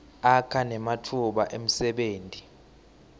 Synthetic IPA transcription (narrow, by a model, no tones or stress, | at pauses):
akʰanɛmatʰuɓaʔem̩sɛɓeːntʼi